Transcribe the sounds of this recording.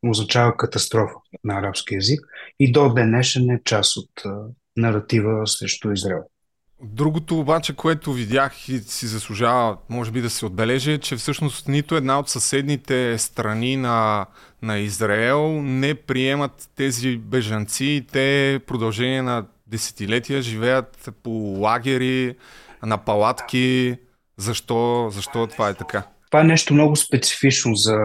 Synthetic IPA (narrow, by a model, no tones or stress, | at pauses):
oznɐt͡ʃavəkɐt̪ɐst̪ɾɔfə̥nɐːɾapsk̟iɛzikid̪od̪ɛnɛʃɛnɛt͡ʃasot̪ː | nɐɾɐt̪ivəsɾɛʃt̪oizɾaɛlˠ | d̪ɾuɡʊt̪oːbat͡ʃɛkoɛt̪ʊvid̪ʲjaxisizɐslˠuʒavəmɔʒɛbid̪ɐsɛod̪̚bɛlɛʒɛt͡ʃɛfsɤʃnost̪nit̪ʊɛd̪naot̪sɐsɛd̪nit̪ɛst̪ɾɐninɐ | nɐizɾaɛlˠnɛpɾiɛmɐt̪ːɛzibɛʒɐnt̪siːt̪ɛpɾod̪ɐlˠʒɛniɛnɐ | d̪ɛsɛ̥t̪ilɛt̪ijəʒivɛjət̪polˠaɡʲɛɾi | nɐpɐlˠat̪kʲi | zɐʃt̪ɔzɐʃt̪ɔt̪ovaɛt̪ɐka | t̪ovaɛnɛʃt̪omnɔɡʊspɛt̪si̥fit͡ʃnozɐ